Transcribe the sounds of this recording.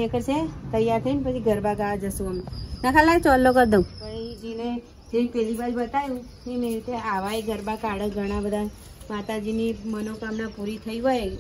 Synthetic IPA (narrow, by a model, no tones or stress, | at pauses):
əkəɾt͡ʃʰet̪əjaɾt̪ʰəinpət͡ʃʰiɡʱəɾbaɡaad͡ʒəsũəmenakʰalːat͡ʃɔlːokəɾd̪õpəid͡ʒine | d͡ʒeĩpɛlibad͡ʒubət̪ajũ | ninəit̪eaʋaeɡʱəɾbakaɽəkɡʱəɽ̃abəd̪ʱa | mat̪ad͡ʒinimənokamnapuɾit̪ʰəiɦoj